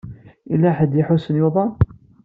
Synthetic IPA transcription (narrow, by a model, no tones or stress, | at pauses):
ilːæħəd̪jɪħʊsənjʊðˤɑn